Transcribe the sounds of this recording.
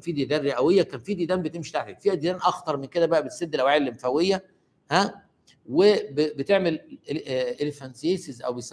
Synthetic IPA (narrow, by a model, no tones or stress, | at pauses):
fiːd̪id̪æːrːeʔæwejːækænfiːd̪id̪æːmbet̪emʃi̥t̪aʕt̪ækfiʔæd̪ilæːnʔɑxt̪ɑɾˤmenked̪æbæʔæbesːed̪ːelʔæwʕeelʔemfæwejːæ | hæ | webebet̪eʕmel | ʔelefænsijeːsezʔæ̰wbes